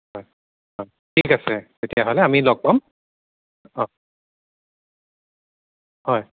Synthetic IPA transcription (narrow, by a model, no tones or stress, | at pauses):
hɔj | hɔj | tʰikasɛtetijaɦolɛamilɔk̚pam | ɔ̃ | hɔj